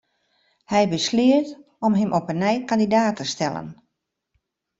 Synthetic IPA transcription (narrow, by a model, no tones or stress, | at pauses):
hɛjbəslɪət | ɔmɦəmʔɔpənɛjkandidaːtʰəstɛlˠə̰n